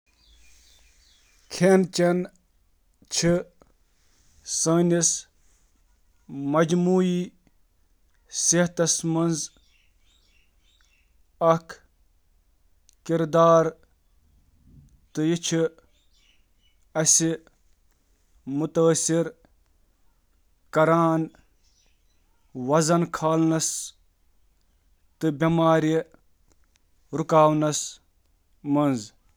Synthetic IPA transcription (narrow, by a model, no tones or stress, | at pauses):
kʰeːnt͡ʃɐn | t͡ʃʰi | saːnʲis | mɐd͡ʒmuːi | seht̪ɐsmɐnz | ɐkʰ | kiɾd̪aːɾ | t̪ɨjit͡ʃʰi | ɐsi | mut̪əsiɾ | kɐɾaːn | wɐzɐnkʰaːlnɐs | t̪ɨbʲɐmaːɾi | ɾukaːwnɐs | mɐnz